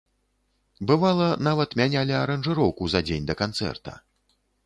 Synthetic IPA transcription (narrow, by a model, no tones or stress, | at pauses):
bɨvalˠɐnavɐt̪mʲanʲalʲiɐɾɐnʐɨɾɔwkuzad͡zʲenʲd̪ɐkant̪sɛ̰rt̪ɐ̰